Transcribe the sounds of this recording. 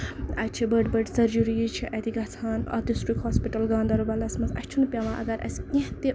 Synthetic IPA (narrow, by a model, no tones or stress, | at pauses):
ɐ̰t͡ʃʰibəɖbɐɖsɐɾd͡ʒuɾit͡ʃʰiʔɐt̪iɡɐt͡sʰaːnɐ̰d̪isʈɾikhɔspiʈɐlɡaːnd̪ɐɾubɐlɐsmɐsɐ̰st͡ʃʰunpʲaʋãʔɐ̰ɡɐɾʔɐ̰skẽht̪e